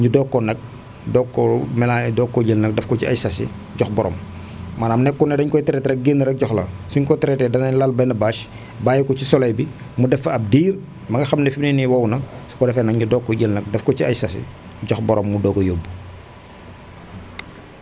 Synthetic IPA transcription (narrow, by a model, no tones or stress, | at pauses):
ɲudɔkːɔnɐk̚ | dɔkːɔmɛladɔkːɔɟəlnɐk̚dɛfkɔciɐ̰jsɐsḭ | ɟɔxbɔɾʔɔ̰ːm | maːnaːmnɛkːunɛdɐɲkɔjtɛɾɛtɾɛk̚ɡenːiɾɛk̚ɟɔxlɐ̰suɲkɔtɛɾɛtɛdɐnɐɲlalbɐnɐbaːʃ | baːjikɔcisɔlɐjbi | mudɛfɐɐp̚diːr | mɐŋɡɐxɐmnɛfininiwɐwnɐsu̥kɔdɛfɛnɐkɲudɔkːɔɟəlnɐk̚dɛfkɔciɐjsɐsḭ | ɟɔxbɔɾʔɔːmːudɔɡɔjoːbːu